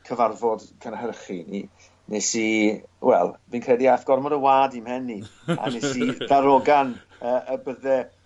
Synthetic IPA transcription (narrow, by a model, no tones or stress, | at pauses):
kʰəvarvɔd̥kʰənhərχinḭ | nesiwɛ̰lˠviːnkʰrɛdiaθɡ̥ɔrmɔdəwaːdimhɛnːia̰nesidaɾɔɡan | əːʔəbəðɛ